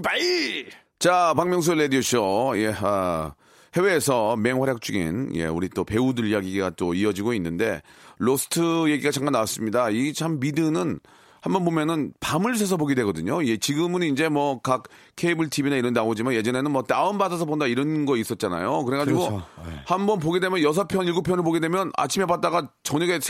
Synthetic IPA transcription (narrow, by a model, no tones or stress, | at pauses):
pai | t͡ɕapaŋmjʌŋs̬ʰuɭedioɕʰoje̞a | he̞we̞ːsʰʌme̞ŋɦwaɾjak̚t͡ɕ͈uɡḭnje̞̰ṵɾit͈ope̞udɯʎijaɡiɡat͈oiʌd͡ʑiɡoinːɯnde̞losʰɯ̥tʰɯje̞ɡiɡat͡ɕaŋɡanawas͈ɯmɲidaiet͡ɕʰamːidɯnɯn | hambʌnbomjʌnɯnpamɯɭusʰes̬ʰʌboɡedwe̞ɡʌdɯɲoiet͡ɕiɡɯmɯnind͡ʑe̞mwʌkak̚ | kʰe̞ibɯɭtʰibinaiɾʌnnaod͡ʑimanje̞d͡ʑʌne̞nɯnmwʌtaɯmbadas̬ʰʌbondaiɾʌnɡʌis͈ʌt̚t͡ɕ͈ana̰jokɯɾeɡad͡ʑiɡohambʌnp̬oɡe̞dwe̞mjʌnjʌs̬ʰʌpʰjʌniɭɡupʰjʌnɯɭpoɡe̞dwe̞mjʌna̰t͡ɕʰime̞bat̚t͈aɡat͡ɕʌɲʌɡe̞